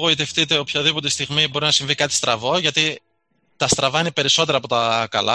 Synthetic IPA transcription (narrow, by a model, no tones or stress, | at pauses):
oit̪e̞ft̪it̪e̞opçɐðipo̞ɾt̪est̪iɣmibo̞ɾinɐsiɱvikɐt̪i̥st̪ɾɐvo̞ʝɐt̪i | t̪ɐst̪ɾɐvɐinepe̞ɾiso̞t̪e̞ɾɐːpo̞t̪ɐkɐ̰lɐ̰